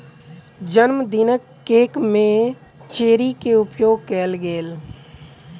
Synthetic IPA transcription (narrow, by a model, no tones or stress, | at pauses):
d͡ʒənmd̪ɪnəkː | eːkmẽ | t͡ʃeːɾikeʊpjoːɡ̚kɛːlɡeːl